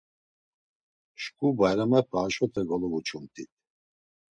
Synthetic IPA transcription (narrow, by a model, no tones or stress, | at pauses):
ʃkʼubajɾamapʰaːʃɔt̪ʰɛɡɔlɔvut͡ʃʰumt̪ʰit̪ʰ